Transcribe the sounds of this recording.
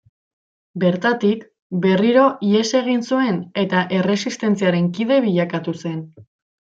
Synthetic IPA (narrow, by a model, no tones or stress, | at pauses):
be̞ɾt̪at̪ik | be̞riɾo̞ʔie̞se̞ɣ̞insue̞ne̞t̪aʔe̞re̞sist̪e̞nt͡siaɾe̞ŋkið̞e̞βiʎakat̪use̞n